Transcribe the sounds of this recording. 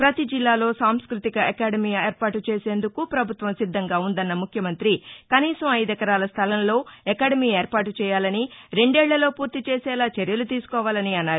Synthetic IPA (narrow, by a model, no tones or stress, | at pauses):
pɾɐt̪id͡ʒilːaːlo̞ːsaːmskɾut̪ikɐʔɐkaːɽɐmiːeːɾpaːʈut͡ʃe̞ːse̞ːnd̪ukupɾɐbʱut̪ʋɐmsid̪ʱːɐŋɡaːund̪ɐnːɐmukʰjɐmɐnt̪ɾikɐniːsɐmɐjd̪ɛkːɐɾaːlɐst̪ʰɐlɐnlo̞ːɛkaːɽɐmiːeːɾpaːʈut͡ʃɛːjaːlɐniɾe̞ɳɖɛːɭːɐlo̞ːpuːɾt̪it͡ʃeːsɛːlaːt͡ʃeɾjɐlut̪iːsu̥kɔːʋaːlɐniɐnːaːɾu